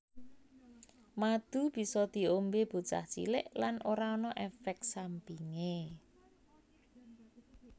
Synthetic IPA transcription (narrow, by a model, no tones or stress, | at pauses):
mad̪̥ub̥i̤sɔd̪̥i̤ombeb̥ṳ̥t͡ʃa̰ht͡ʃḭlɪ̰ʔlanʔoɾaɔnɔʔɛfɛk̚sampiŋe